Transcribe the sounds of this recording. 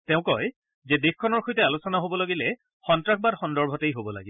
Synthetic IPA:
tɛʊ̃kɔj | zɛdexkʰːɔnɔɹxojtɛalusɔnaɦobɔloɡilɛ | xɔntɹak̚ʰbatxɔndɔɹbʱɔtejɦobɔla̰ɡib

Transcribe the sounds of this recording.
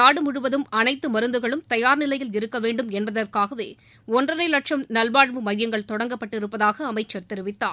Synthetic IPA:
aːɽɯmʊɽɯʋɐðɯmɐnɐɪt̪ːɯmɐɾɯnd̪ɯɣɐɭɯmt̪ɐjaːɾnɪlɐjɪlɪɾɯkːɐʋeːɳɖɯmɛnbɐðɐrkaːɣɐʋeː | ɔndrɐɾɐɪlɐʈʂɐmnɐlbaːɽʋɯmɐðɪjɐŋɡɐɭt̪ɔɽɐŋɡɐpːɐʈːɪɾɯpːɐðaːɣɐːmɐɪt͡ʃːɐɾt̪ɛɾɯʋɪt̪ːa̰ː

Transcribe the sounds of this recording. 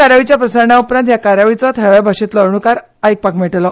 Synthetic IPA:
aɾaʋit͡ɕjapɾəsəɾɳaupɾant̪jakaɾaʋit͡sɔt̪ʰəɭabʱaɕet̪ləɾɳukaɾ | ajk̚pakmeʈlɔ

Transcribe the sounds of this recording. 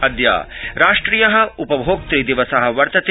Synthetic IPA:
ɐd̪ja̰ːɾaːʂʈɾiːjɐɦɐ̆upɐbʱoːk̚t̪ɾiːd̪iʋɐsɐɦɐ̆ʋɐɾt̪ɐt̪

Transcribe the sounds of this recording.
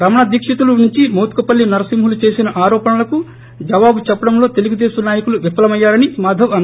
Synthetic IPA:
ɾɐmɐɳad̪iːkʂɐt̪ulunuɲt͡ʃimoːt̪kupɐlːinɐɾɐsimɦulut͡ʃe̞ːsinɐʔaːɾɔːpɐnɐlɐku | d͡ʒɐʋaːbut͡ʃɛpːɐɽɐmlo̞ːt̪e̞luɡud̪eːʃɐnaːjɐkuluʋipːɐlɐmɐjːaːɾɐnimaːd̪ʱɐʋɐn

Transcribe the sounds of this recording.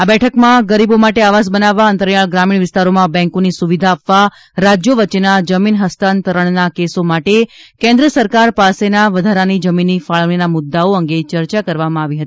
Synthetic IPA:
abɛʈʰəkmãɡəɾibomaʈeaʋas̬bənaʋːaənt̪əɾjaɭɡɾamiɳ̃ʋɪst̪aɾomãbɛ̃ŋkonisuʋid̪ʱaːpʋa | ɾad͡ʒjoʋət͡ʃenad͡ʒəminɦəst̪ant̪əɾəɳnakesomaʈekɛ̃nd̪ɾəsəɾkaɾpasenaʋəd̪ʱaɾanid͡ʒəminːifaɭɽinamʊd̪ːaoəŋɡet͡ʃəɾt͡ʃakəɾʋamãaʋiɦət̪i

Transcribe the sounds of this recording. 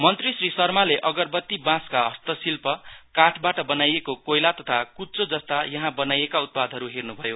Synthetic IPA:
mʌnt̪risrisʌrmaleʔʌɡʌrbʌt̪ːibãskaɦʌst̪ʌsilpʌkaʈʰbaʈʌbʌnajekokojlat̪ʌt̪ʰakutt͡sod͡zʌst̪ajʌɦãbʌnajekaut̪̚pad̪ʱɦʌɾuɦirnubʱʌjo

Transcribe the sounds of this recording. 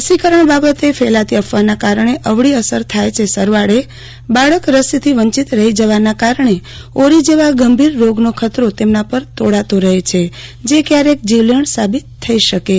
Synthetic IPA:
əsikəɾəɳbabət̪efʰelat̪iəfʰʋanakaɾɳeʔəʋɽiəsəɾt̪ʰajt͡ʃʰesəɾʋaɽe | baɭəkɾəsit̪ʰiʋəɲt͡ʃit̪ɾəɦid͡ʒəʋanakaɾəɳe | oɾid͡ʒeʋaɡəmbʱiɾːoɡnokʰət̪ɾot̪emnapəɾt̪oɽat̪oɾəɦet͡ʃʰed͡ʒekjaɾek̚d͡ʒiʋləɳsabit̪ʰːəiʃəke

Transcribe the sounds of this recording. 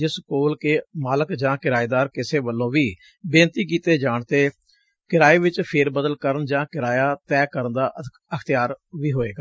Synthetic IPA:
d͡ʒɪskoːlkeːmaːləkd͡ʒãːkɪɾaːeːd̪aːɾkɪseːʋəlːõːʋiː | bẽːnt̪iːkiːt̪eːd͡ʒaːɳt̪eː | kɪɾaːeːʋɪt͡ʃpʰeːɾbəd̪əlkəɾənd͡ʒãːkɪɾaːjaːt̪ɛːkəɾənd̪aː | əkʰt̪ɪjaːɾʋiːɦoːeːɡaː

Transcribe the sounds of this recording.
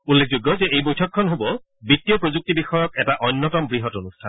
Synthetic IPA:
ulːek̚ʰzoɡːɔzɛejbojtʰɔkʰːɔnɦobɔ | bitːiɔpɹozuk̚tibixɔjɔkɛtaʔɔnːɔtɔmbɹiɦɔtonustʰan

